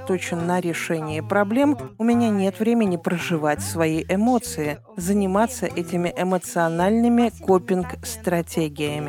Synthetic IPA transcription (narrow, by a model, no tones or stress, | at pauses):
t̪ot͡ɕɪnːəɾʲɪʂɛnʲɪjəpɾɐblʲe̞mʊmʲɪnʲanʲe̞t̪vɾʲemʲɪnʲɪpɾəʐɨvatʲsvɐjiʔɪmo̞t̪sɨɪ | zənʲɪmat̪səʔɛtʲɪmʲɪʔɪmət̪sɨɐnalʲnɨmʲɪkopʲɪnkst̪ɾɐtʲeɡʲɪjɪmʲɪ